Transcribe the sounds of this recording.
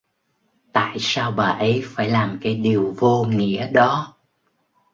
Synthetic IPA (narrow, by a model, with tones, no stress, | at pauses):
t̪a̰ː˧˨jsaː˧wɓaː˨˩ʔə˨˦jfaː˧˩jlaː˨˩mkaː˨˦jɗi˨˩əwvo˧ŋḭ˧˥əɗɔ˨˦